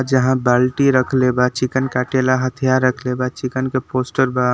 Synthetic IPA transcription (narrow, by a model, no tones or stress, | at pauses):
d͡ʒəɦãbalʈiɾəkʰlebat͡ʃikənkaʈelaɦət̪ʰijaɾːəkʰlebat͡ʃikənkepoːsʈəɾba